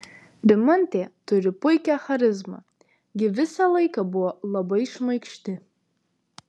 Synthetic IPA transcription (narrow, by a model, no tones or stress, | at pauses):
ɾʲɪmɔnʲt̪ʲeːt̪ʊɾʲɪpʊɪkʲɛxɐɾʲɪzmɐ̰ | ɡʲɪʋʲɪsɐlˠɐɪkɐbʊɔlˠɐbɐɪʃmɐɪkʃʲt̪ʲɪ